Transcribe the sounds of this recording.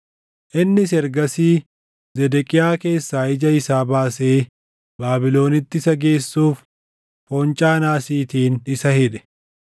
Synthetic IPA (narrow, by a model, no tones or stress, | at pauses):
ʔɪnːɪs̬ɛɾɡɐsiː | zɛd̪ɛkʼɪjaːke̞ːsːaːɪd͡ʒɐɪsaːbaːse̞ː | baːbɪlo̞ːnɪt̪ːɪsɐɡe̞ːsːuːf | foːnt͡ʃʼaːnaːsiːt̪iːnɪsɐhɪᶑɛ̥